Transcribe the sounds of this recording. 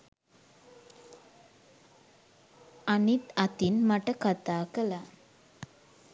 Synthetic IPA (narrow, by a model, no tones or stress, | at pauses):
anit̪at̪inmaʈəkat̪aːkəla